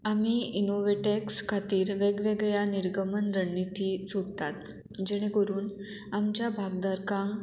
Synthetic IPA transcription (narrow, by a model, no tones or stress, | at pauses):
amiːinoʋeʈekskʰat̪iːɾʋeɡʋeɡɭjaniɾɡəmənɾəɳːit̪iːsuɽt̪at̪̚ | d͡ʑɛɽ̃ekoɾuːn | amt͡ɕjabʱaɡd̪əɾkãŋ